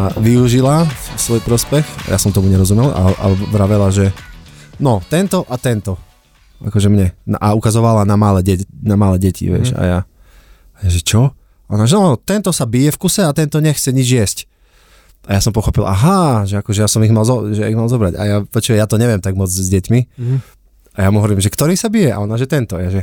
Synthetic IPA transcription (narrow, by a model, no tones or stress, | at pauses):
aʋiuʒilasʋɔjpɾɔspɛxa̰ja̰sɔmt̪ɔmuɲɛɾɔzumɛla̰a̰bɾaʋɛlaʒɛ | nɔt̪ɛnt̪ɔʔat̪ɛnt̪ɔ | ʔa̰kɔʒɛmɲɛnaʔaukazɔʋalanamalɛɟɛnamalɛɟɛcḭʋɪɛ̰ʃa̰ja | ʒɛt͡ʃɔ | ɔnaʒɛnɔanɔt̪ɛnt̪ɔsabijɛfkusɛat̪ɛnt̪ɔɲɛxt͡sɛɲid͡ʒjɛsc | ʔajasɔmpɔxɔpilˠʔaɦaʒɛakɔʒɛjasɔmiɣmalzɔʒɛiɣmalzɔbɾaɟa̰japɔt͡ʃiʋɛjat̪ɔɲɛʋɪɛmt̪aɡmɔd͡zzɟɛcmi | ajamuɦɔʋɔɾiːmʒɛkt̪ɔɾiːsabijɛʔa̰ɔnaʒɛt̪ɛnt̪ɔjaʒɛ